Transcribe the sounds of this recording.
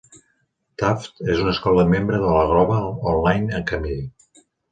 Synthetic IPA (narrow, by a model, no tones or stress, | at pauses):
t̪aft̪ezunəskɔləmembɾəðələɣ̞ɾɔβəɔnlajnəŋkəme